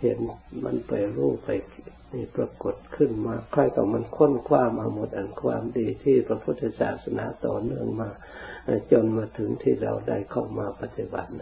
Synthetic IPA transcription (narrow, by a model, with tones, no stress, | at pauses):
he˨˦nma̰˧˥˨npa˨jɾuː˧˩pa˨j | niː˧˩pɾa˧ko˧˩t̪̚kʰɯ˧˥˨nmaː˧kʰɔ˧˩jk̪a˧˩wma˧˥˨nkʰo˧˥˨nkʰwaː˧˨mʔa˧mo˧˦t̪̚ʔa˨nkʰwaː˧˥˨mdiː˨˩t̪ʰiː˧˨pɾa˧pʰu˧˥t̪̚ːha˧˩sa̰ː˨˩t̪̚sa˧nʔa̰ː˨˦t̪ɔ̰ː˨˩nɯ˧˩əŋmaː˧˩ | a˧˩t͡ɕo˧˨nmaː˧˩t̪ʰɯ˨˦ŋt̪ʰiː˧˨ɾa̰˧˩wda̰˧˥˩jkʰa˧˩wmaː˧pa˧t̪ːi˧ba̰˨˧˦t̪̚